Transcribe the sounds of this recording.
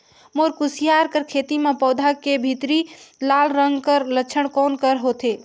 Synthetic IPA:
moɾkusijaɾkəɾkʰet̪imepəwd̪ʱakebʱit̪ɾilalɾəŋɡkəɾlət͡ʃʰəɽkɔnkəɾɦot̪e

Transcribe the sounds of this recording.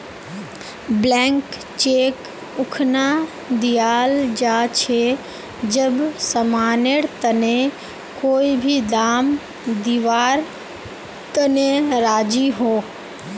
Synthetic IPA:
blɛ̃ːŋk | t͡ʃeːk | ʊkʰna | d̪ijaːld͡ʒat͡ʃʰe | d͡ʒəbsəmaːneɽt̪əne | koːibʱid̪aːm | d̪iʋaːɾ | t̪əneɾaːd͡ʒiɦoː

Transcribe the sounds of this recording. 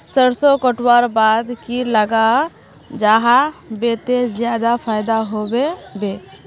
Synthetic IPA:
səɽsɔkəʈwaɾbaːd̪kiləɡa | d͡ʒaɦabet̪ezjaːd̪apʰaːjd̪aɦobebe

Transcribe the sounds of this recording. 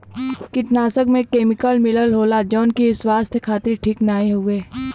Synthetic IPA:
kɪʈnaːsəkmẽkeːmɪkəlmɪləlɦoːlad͡ʒɔːnkiɪswaːst̪ʰkʰaːt̪ɾiʈʰiːknaːeɦʊeː

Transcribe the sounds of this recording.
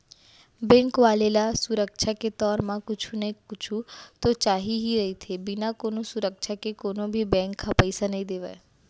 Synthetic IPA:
bɛ̃ːŋkʋaːlelasʊɾəkʃʰaket̪ɔːɾmãkʊt͡ʃʰunɐĩkʊt͡ʃʰut̪ot͡ʃaːɦiɦiɾɐɦit̪ʰebɪnakoːnosʊɾəkʃʰakekoːnobʱibɛ̃ːŋkʰːapɐɪsanɐɦĩd̪eːʋəː

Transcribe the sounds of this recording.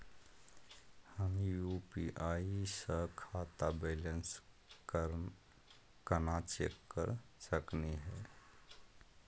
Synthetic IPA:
həmjuːpiʔaːisəɦkʰaːt̪abeːlə̃ns | kɾ | kənaːt͡ʃeɾkəɾsəkniɦɛː

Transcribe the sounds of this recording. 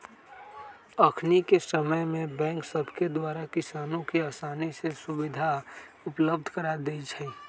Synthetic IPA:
əkʰnikesəməjmẽbɛ̃ːŋksəbʱked̪waːɾakɪsaːnõkiaːsaːnisesʊbɪd̪ʱa | ʊpləbd̪ʱkəɾad̪eit͡ʃʰɛː

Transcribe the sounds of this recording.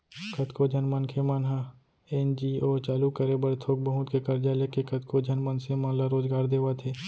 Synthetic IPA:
kɐt̪kod͡ʒʱənmənkʰemaːnɦa | end͡ʒiɔːt͡ʃaːlukəɾebəɾt̪ʰoːk̚bəɦʊt̪kekɐɾd͡ʒalekekət̪kod͡ʒʱɐnmənsemãlaɾoːzɡaːɾd̪eːʋat̪ʰeː

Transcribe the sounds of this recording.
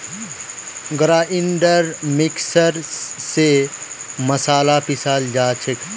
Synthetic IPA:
ɡɾaːʔiɳɖəɾmiksəɾse | mɐsaːlapisaːld͡ʒaːt͡ʃʰek

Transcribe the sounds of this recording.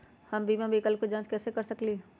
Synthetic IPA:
hɐmbʱiːmãbʱikəlkod͡ʒãːnt͡ʃkɛːsekɐɾsəkli

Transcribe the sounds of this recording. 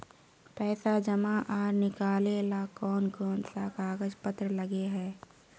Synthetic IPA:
pɛːsad͡ʒəmaʔaːɾnɪkaːlelakɔːnɡɔːnsakaːɡəd͡ʒpət̪ɾələɡeɦɛː

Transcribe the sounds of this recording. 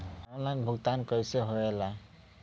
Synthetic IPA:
ɔnlajnbʱuɡt̪ankʌjseɦoela

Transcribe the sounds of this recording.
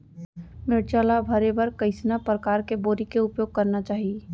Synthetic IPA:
meɽt͡ʃaːlabʱəɾebəɾkəɪsnapɾəkaːɾkeboːɾikeʊpjoːɡ̚kɐɾnat͡ʃaːɦie

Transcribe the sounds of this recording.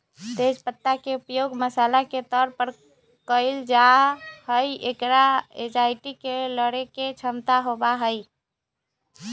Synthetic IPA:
t̪ed͡ʒpət̪ːakeupjoɡməsalaket̪ɔɾpəɾ | kəɪld͡ʒahəjekɾaed͡ʒajʈikeləɽeket͡ʃʰəmt̪aɦobaɦəj

